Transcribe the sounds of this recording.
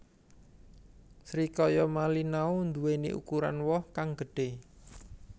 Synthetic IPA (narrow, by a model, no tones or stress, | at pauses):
sɾikɔjɔmalinaund̪uwenḭʔṵkuɾa̰nwɔhkaŋɡ̥əɖ̥e